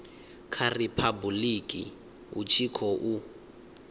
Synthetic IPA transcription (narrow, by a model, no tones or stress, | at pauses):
kʰaripʰabulikʼḭ | ṵt͡ʃʰikʰɔʔu